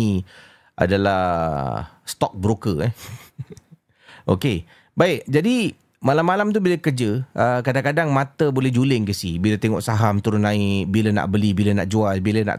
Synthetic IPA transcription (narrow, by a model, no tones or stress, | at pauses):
i | ʔa̰dala | st̪ɔk̚bəɾukəɛ | ʔoke | baɪkd͡ʒadi | malamːalamt̪̬ubiləkərd͡ʒəʔəkadaŋkadaŋmat̪əbolɛhd͡ʒulɪŋkəsibilət̪eŋɔ̰ʔsaɦamt̪uɾʊnaɪʔʔbiləna̰ʔbəlibiləna̰ʔd͡ʒualbiləna̰ʔ